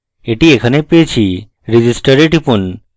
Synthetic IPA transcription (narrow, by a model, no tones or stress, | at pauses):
eʈiekʰənepeet͡ɕʰi | ɾid͡ʑisʈəɾeʈipun